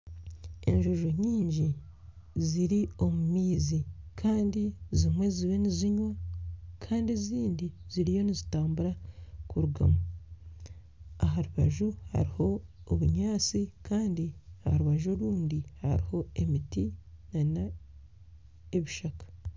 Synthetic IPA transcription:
e̞̰ɲʒoʒo̞ɲiːɲɟi | ziɾio̞mumiːzikʰaːndizimwe̞ziβe̞niziɲwakʰaːndeziːndiziɾijo̞nizitaːmbuɾakuɾuɡa̰mo | aɦaɾuβaʒuha̰ɾiho̞ːβuɲaːt͡sikʰaːndiahaɾuβaʒo̞ɾuːndiha̰ɾiho̞e̞mitinana | eβiʃakḁ

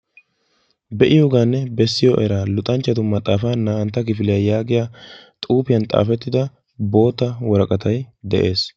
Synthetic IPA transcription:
bɛʔɪjoːɡaːnːɛbɛsːɪjoʔɛɾalʊt̪ʼːɐnt͡ʃːɐt̪̬ʊmɐt̪ʼaːfaːnːaːɐnt̪ːɐkɪfɪlɪjɐjaːɡɪjaːt̪ʼuːpɪjɐnt̪ʼa̰ːfɛt̪ːɪd̪ɐ | bo̞ːt̪ːɐwɔɾɐkʼɐt̪ʰɐjd̪ɛʔe̞ːs

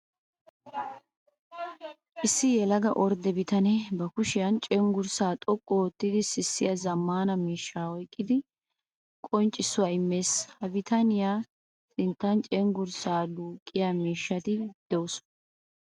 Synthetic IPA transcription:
ʔɪsːɪjɛlɐɡɐʔɔɾd̪ɛbɪt̪ɐnɛbɐkʊʃɪjɐnt͡ʃʼɛŋɡʊɾsaːt̪ʼɔkʼːɔːt̪ːɪd̪ɪsɪsːɪjɐzɐmːaːnɐmiːʃːaːɔjkʼːɪd̪ɪ | kʼɔnt͡ʃʼːɪsːʊwaɪmːe̞ːshɐbɪt̪ɐnɪjaː | sɪnt̪ːɐnt͡ʃʼɛŋɡʊɾsaːd̪uːkʼːɪjaːmiːʃːɐt̪ɪd̪̥ɛwʊs

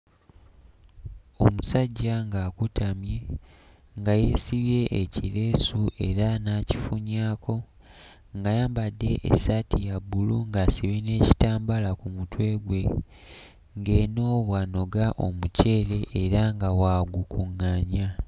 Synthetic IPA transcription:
o̞musaɟːaŋɡaːkutamje̞ | ŋɡaje̞siβje̞ʔecile̞ːsuʔe̞ɾanaːci̥fuɲaːkʰo̞ | ŋɡajaːmbadːe̞ʔḛsatijabːuluŋɡasiβine̞ːci̥taːmbalakumutwe̞ːɡwe̞ | ŋɡe̞no̞ːβwano̞ɡaʔo̞̰muce̞ːle̞ʔːɾaŋɡawaːɡukuŋːaːɲa

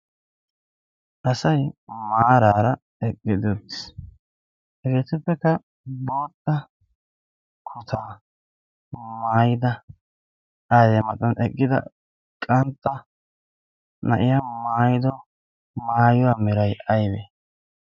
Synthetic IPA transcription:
ʔɐsɐjmaːɾaːɾɐ | ɛkʼːɪd̪ɔt̪ːɪ̥s | hɛɡe̞ːt̪ɪpːɛkːɐ | bo̞ːt̪ʼːɐ | kʰʊt̪ʰaː | maːjɪd̪ɐ | aːd̪ɛmɐt̪ʼːɐnɛkʼːɪd̪ɐ̰ | kʼɐnt̪ʼːɐ | nɐ̰ʔɪjamaːjɪd̪ɔ | maːjʊwaːmɛɾɐjɐjbeː

